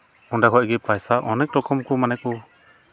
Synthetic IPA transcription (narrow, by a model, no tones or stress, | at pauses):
unɖaɦɔʔɡɛpajsaʔɔnɛk̚ʈɔkʰɔmkɔmanɛk̚ɔ